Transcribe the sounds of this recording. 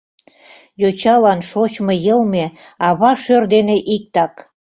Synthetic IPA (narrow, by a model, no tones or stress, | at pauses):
jot͡ɕɑlɑnʃot͡ɕmɤjəlmeɑβɑʃørd̪eneʔik̚t̪ɑk